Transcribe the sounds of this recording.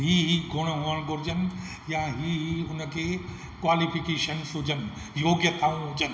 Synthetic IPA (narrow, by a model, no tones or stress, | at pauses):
ɦiːɦiɡʱʊɽ̃ɦũːəɽ̃ɡʊɾd͡ʑən̆ | jãɦiːʊnəkʰeː | kwaːlipʰɪkeːʃənsʊd͡ʑʱən | joːɡjət̪ʰaːũɦʊd͡ʑən